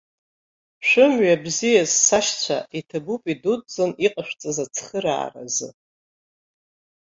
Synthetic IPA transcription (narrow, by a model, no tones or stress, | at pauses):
ʃᶣʷʊmɥabzijazsaʃt͡sʷʰa̰itʰabupʼidudd͡zɨniqʼaʃʷᶣt͡sʼazat͡sʰχəɾa̰ːra̰zɨ